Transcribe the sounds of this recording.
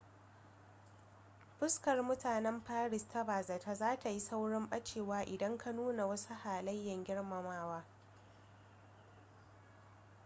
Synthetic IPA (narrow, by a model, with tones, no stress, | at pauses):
ɸʊ˦skɐ˨rmʊ˦taː˨nɛ˦mɸaː˦ɽɪ˨stʰa˦baː˨zɐ˨ta˦zaː˦ta˨ji˦sa˦wɽɪ˦mɓɐ˦t͡ʃeː˨waː˦ʔɪ˨dɐ˦ŋkʰa˦nuː˦na˨wɐ˦su˦haː˨lɐ˦jːɐ˨ŋɡʲɪ˦ɽmɐ˨maː˦waː˦